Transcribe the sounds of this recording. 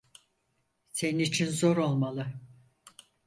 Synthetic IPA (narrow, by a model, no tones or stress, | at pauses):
se̞ninit͡ʃʰinzo̞ɾo̞lˠmalˠɯ